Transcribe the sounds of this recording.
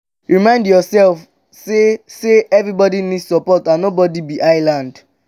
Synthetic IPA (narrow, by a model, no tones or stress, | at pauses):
ɹimãɪ̃ndjɔsɛlf | seseɛvɹibɔdinidsɔpɔtãnobɔdibiʔaɪlãnd